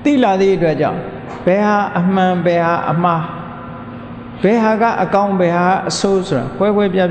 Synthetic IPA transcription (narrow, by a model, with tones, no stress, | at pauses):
t̪ḭ˦˨la˨d̪ðḭ˦˨ʔət̬wɛ˦ʔt͡ɕã̰˦˨ | b̥ɛ˨ha˨ʔəm̥ã˨bɛ˨ha˨ʔə̰m̥a˦ | b̥ɛ˨ɦa˨ɡa̰˦˨ʔəkã˦ʊ̃mbɛ˨ɦa˨ɡa˦ʔəso˦so˨ɾa̰˨kʰwɛ˦ɡwɛ˦pja˦